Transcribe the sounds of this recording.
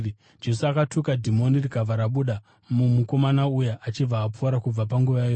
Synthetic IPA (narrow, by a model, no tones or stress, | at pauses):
d͡ʒe̞suakatʰukadʱimo̞nirikavʱaɾaɓuɗa | mumuko̞manaujaʔat͡ʃib͡vaːpuaɾakub͡vapaŋɡuʋajaːjo